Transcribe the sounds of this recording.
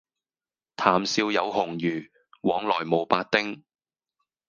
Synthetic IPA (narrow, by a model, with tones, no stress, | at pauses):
t̪ʰaː˨˩msiː˧wjɐ˨˧wɦʊ˨˩ŋjyː˨˩ | wɔː˨˥ŋlɔː˨˩jmo˨˩wpaː˧t̚t̪ɪ˥ŋ